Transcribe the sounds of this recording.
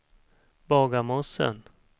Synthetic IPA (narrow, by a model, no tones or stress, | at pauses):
bɑːɡamɔsə̰n